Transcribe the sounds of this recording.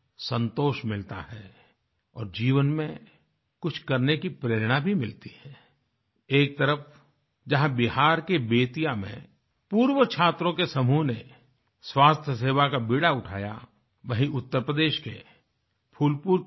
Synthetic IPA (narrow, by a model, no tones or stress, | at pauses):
sə̃nt̪oːʃmɪlt̪a̰ɦɛː | ɔ̰ːɾd͡ʒiːʋənmẽ | kʊt͡ʃʰkɐɾnekipɾeːɾɽ̃abʱimɪlt̪iɦɛː | eːk̚t̪əɾəf | d͡ʒɐɦãbɪɦaːɾkebeːt̪ijamḛ̃ | puːɾʋət͡ʃʰaːt̪ɾõkesɐmuɦne | swaːst̪ʰjəseːʋakabiːɽaʊʈʰa̰ːja̰ | ʋɐɦĩʊt̪ːəɾpɾəd̪eːʃke | pʰuːlpuːɾ